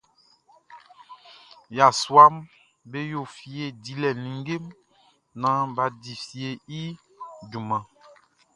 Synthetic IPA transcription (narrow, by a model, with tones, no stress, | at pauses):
ja˨swa˦m | be˦jo˦˨fi˨˦e˦˨di˨lɛ˨nĩ˨ŋɡe˦m | nã˦ba˦di˨fi˨e˦i˦ | du˨mã˨